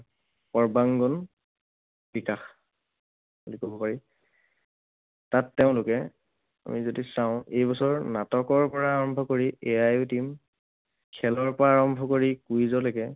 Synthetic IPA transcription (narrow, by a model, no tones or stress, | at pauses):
pɔɹbaŋɡɔn | b̥ikax | ulikɔbɔpaɹi | tatːɛʊ̃lʊkɛ | a̰mizodisaʊ̃ʔejbɔsɔɹnatɔkɔɹpɔɹaːɹɔmbʱɔkoɹiʔeajutim | kʰɛlɔɹpɔɹaːɹɔmbʱɔkoɹikujzɔlojkɛ